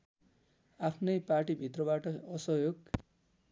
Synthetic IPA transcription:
apʰnʌjparʈibʱit̪rʌbaʈʌʌsʌɦjoɡ

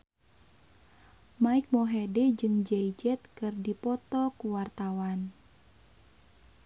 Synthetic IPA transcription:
maik̚mɔɦɛdɛd͡ʒɨŋd͡ʒɛid͡ʒɛt̪̚kɨrdipɔt̪ɔkuwart̪awan

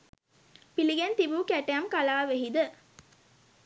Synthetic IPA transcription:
piliɡent̪ibuːkæʈeɐmkalaːʋeɦid̪ə

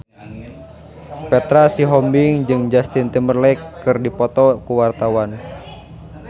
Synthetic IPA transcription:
pɛt̪ɾasiɦɔmbiŋd͡ʒɨŋd͡ʒast̪int̪əmərlɛkːɨrdipɔt̪ɔkuwart̪awan

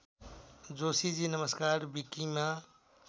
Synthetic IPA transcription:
d͡ʒoːsid͡ʒiːnəməskaːɾbikima

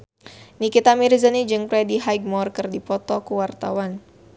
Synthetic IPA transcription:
nikit̪amiɾizanid͡ʒɨŋpɾɛdiɦajɡ̚mɔrkɨrdipɔt̪ɔkuwart̪awan

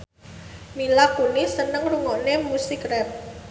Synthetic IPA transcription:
milakunisənəŋruŋɔnemusikrɛp̚

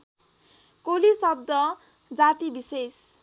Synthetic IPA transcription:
kolisʌb̚d̪ʌ | d͡zat̪ibises

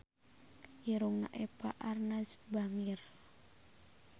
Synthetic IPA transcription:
iɾuŋna̰ʔɛpaʔarnad͡ʒbaŋir

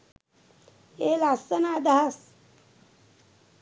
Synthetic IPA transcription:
eːlasɐnaːd̪aɦɐs

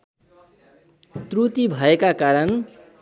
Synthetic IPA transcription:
t̪rut̪ibʱʌekakaɾʌn

